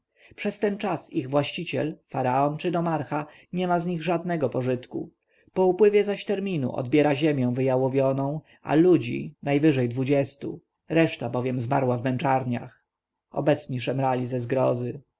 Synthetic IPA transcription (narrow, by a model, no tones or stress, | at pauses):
pʂɛst̪ɛnt͡ʂasiɣvwaɕt͡ɕit͡ɕɛ̰lfaɾaɔnt͡ʂɘd̪ɔmaɾxa | ɲɛmazɲiɣʐad̪nɛɡɔpɔʐɘt̪kṵ | pɔupwɘvʲjɛzaɕt̪ɛɾmʲinṵʔɔ̰d̪bʲjɛɾaʑemʲjɛ̃w̃vɘjawɔvʲjɔnɔ̃w̃ | a̰lud͡ʑḭnajvɘʐɛjd̪vud͡ʑɛst̪u | ɾɛʂt̪abɔvʲjɛmzmaɾwavmɛnt͡ʂaɾɲa̰x | ɔ̰bɛt̪sɲiʂɛmɾalʲizɛzɡɾɔzɘ